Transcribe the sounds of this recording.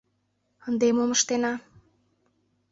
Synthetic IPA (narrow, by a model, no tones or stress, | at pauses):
ənd̪emoməʃt̪enɑ